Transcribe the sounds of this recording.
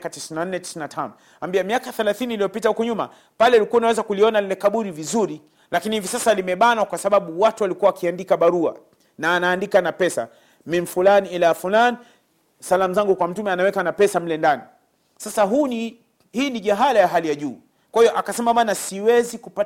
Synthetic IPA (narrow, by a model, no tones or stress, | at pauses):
katisinanːɛti̥sinatʰanɔ | ambiɛmiakaθɛlaθiniːlijɔpitahukɔɲuma̰ | palɛulikuanawɛzakuliɔnalilɛkaɓuɾivizuɾi | lakinihivisasalimɛɓanakwasaɓaɓuwatuwalikuwawakiandikaɓaɾua̰ | naːnaːndikanapɛsa̰ | minfulaniilaafulani | salamuzaŋɡukwam̩tumɛanawɛkanapɛsam̩lɛndani | sasaɦuni | hiːniʄaɦalajaɦalijaʄuː | kwahijɔʔakasɛmamanasiwɛzikupa